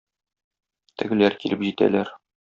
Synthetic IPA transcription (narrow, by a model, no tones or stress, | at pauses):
t̪ɘ̆ɡɘ̆læɾkilɘpʑit̪æ̰læɾ